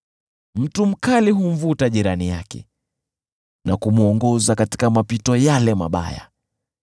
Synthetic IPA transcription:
m̩tum̩kaliɦum̩vutaʄiɾanijakɛ̰ | nakumuɔŋɡɔzakati̥kamapitɔjalɛma̰ɓa̰ja̰

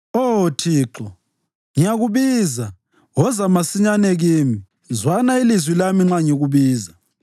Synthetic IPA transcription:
otʰiːǁɔ | ŋijaɣuβiːza | wɔzamasiɲanɛɣimi | zwanailizwilamiŋ͡ǁaɲeɣuβiːza

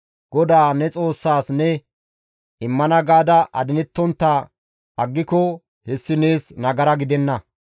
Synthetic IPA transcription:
ɡ̥ɔd̪aːnɛt͡sʼo̞ːsːaːsnɛ | ɪmːɐnɐɡaːd̪ɐʔɐd̪ɪnɛt̪ːɔnt̪ːa | ɐɡːɪkɔ | hɛsːɪneːsnɐɡɐɾɐɡɪd̪ɛnːɐ

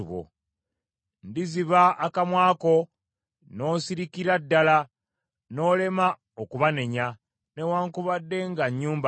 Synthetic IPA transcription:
uβo̰ | ndiziβaːkamwaːko̞ | no̞ːsiɾikiɾadːala | no̞ːle̞ma | okuβane̞ɲa | ne̞waːŋkuβadːe̞ŋɡaɲːuːmba

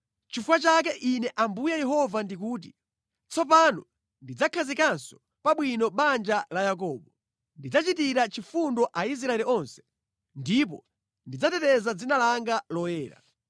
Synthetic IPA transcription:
t͡ʃifuwat͡ʃak̬ɛʔinɛʔambujajɛɦɔvandikuːt̬i | t͡sɔp̬anɔ | ndid͡zakʰazikansɔ̥ | paɓwinɔɓand͡ʒalajak̬ɔːɓɔ | ndid͡zat͡ʃitiɾat͡ʃifundɔʔais̬ɾaɛliɔnsɛ̥ | ndipɔ | ndid͡zatɛtɛzad͡zinalaŋɡalɔjɛːɾa̰

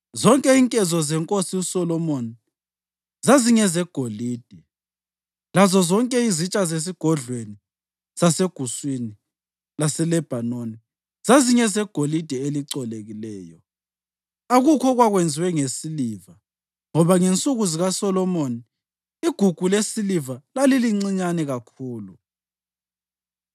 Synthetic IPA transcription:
zɔŋkʼɛiŋkʼɛzɔzɛŋkʼosiusɔlɔmoni | zaziɲɛzɛɡ̥ʱoliːd̥ʱɛ | lazɔzɔŋkʼɛizit͡ʃʼazes̬iɡ̥ʱɔɮweni | z̥aseɡ̥ʱuswini | lasɛlɛb̥ʱanoni | z̥aziɲɛzɛɡ̥ʱolid̥ʱɛeliǀɔleɣilɛːjɔ | aɣukʰɔɣwaɣwend͡zʱiwɛŋesiliːva | ŋɔβaŋent͡sʼuɣuziɣasɔlɔmoni | iɡ̥ʱuɡ̥ʱulesilivalaliliŋ͡ǀiɲanɛɣakʰuːlu

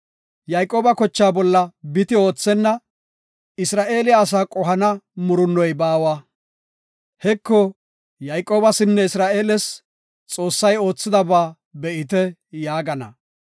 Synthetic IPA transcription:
jajkʼːoːbɐkɔt͡ʃːaːbɔlːɐbɪt̪ɪo̞ːt͡sːɛnːɐ | ɪsɾaːʔe̞ːlɪjaːs̬aːkʼɔɦɐnɐmʊɾʊnːɔjbaːwa | hɛkːɔ | jajkʼoːbɐsɪnːɛɪsɾaːʔe̞ːlɛs | t͡sʼo̞ːsːɐjo̞ːt͡sːɪd̪ɐbaː | bɛʔɪt̪̬ɛjaːɡɐnɐ̰

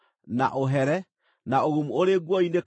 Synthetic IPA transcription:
na̰ʔoɦɛɾɛ | naoɣumuoɾeɡwɔinek

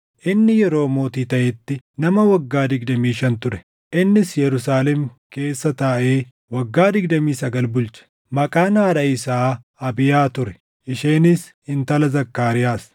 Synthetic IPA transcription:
ʔɪnːɪjɛɾo̞ːmo̞ːt̪iːt̪ɐʔɛt̪ːɪnɐmɐwɐɡːaːd̪ɪɡd̪ɐmiːʃɐnt̪ʊɾɛ̥ | ʔɪnːɪsjɛɾʊsaːlɛmke̞ːsːɐt̪aːʔeː | wɐɡːaːd̪ɪɡd̪ɐmiːsɐɡɐlbʊlt͡ʃɐ̥ | mɐkʼaːnaːᶑɐɪsaː | ɐbɪjaːt̪ʊɾɛ | ʔɪʃeːnɪs | ɪnt̪ɐlɐzɐkːaːɾɪjaːs

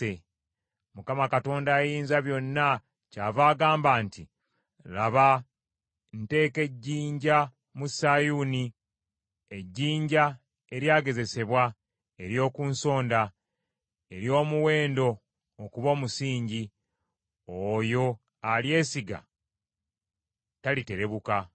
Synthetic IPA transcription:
e | mukamakato̞ːndaːjiːnzaβjo̞nːa | caːvaːɡaːmbaːnti | laβa | nte̞ːke̞ɟːiːɲɟa | musajuni | e̞ɟːiːɲɟa | e̞ɾjaːɡe̞ze̞se̞βwa | e̞ɾjo̞ːkunso̞ːnda | e̞ɾjo̞ːmuwe̞ːndo̞ː | kuβo̞ːmusiːɲɟi | ojo̞ | alje̞ːsiɡa̰ | talite̞ɾe̞βuka

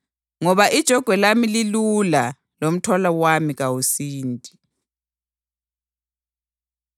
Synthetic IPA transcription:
ŋɔβaʔid̥ʒ̥ʱɔɡ̥ʱwɛlamililula | lom̩tʰɔlawamiɣawusiːntʼi

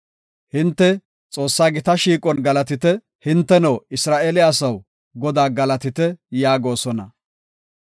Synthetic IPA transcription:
hɪnt̪ːɛ | t͡sʼo̞ːsːaːɡɪt̪ɐʃiːkʼɔnɡɐlɐt̪ɪt̪ɛ | hɪnt̪ːɛnɐwɪsɾaːʔeːlɪasɐw | ɡɔd̪aːɡɐlɐt̪ɪt̪ɛjaːɡo̞ːsɔnɐ̰

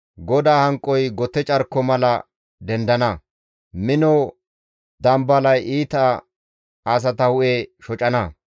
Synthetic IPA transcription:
ɡɔd̪aːhɐŋkʼːɔjɡɔt̪ːɛt͡ʃʼɐɾkːɔmɐlɐ | d̪ɛnd̪ɐnɐ | mɪnɔ | d̪ɐmbɐlɐjʔiːt̪ɐ | as̬ɐt̪ɐhʊʔeʃɔt͡ʃʼɐnɐ

